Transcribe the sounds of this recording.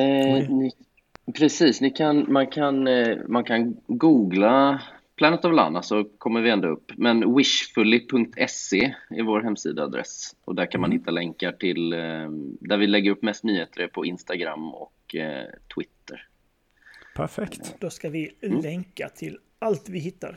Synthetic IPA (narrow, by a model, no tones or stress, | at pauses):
nɪ | pʰɾɛsiːsnɪkʰanmankʰanmankʰanɡuːɡla | pʰlɑːnət̪avla̰ːnːasɔkʰɔmːəɾvɪɛnd̪oɵpːmɛnwɪʂfɵlːɪpʰɵŋk̚t̪ʰɛseːɪvoːɾɦɛmːsḭːd̪aa̰d̪ɾɛ̰sʔɔd̪ækanmanhɪt̪ʰːalɛŋkaʈʰɪl | d̪æɾvɪlɛɡːəɾɵpːmɛst̪nyːheːt̪əɾəpʰɔɪnst̪aɡɾa̰mːɔ̰kt̪ʰwɪt̪ːə̰ɾ | pʰæɾfɛkt̪d̪̥oskavɪɛŋkat̪ʰɪl | alt̪vɪhɪt̪ːa̰ɾ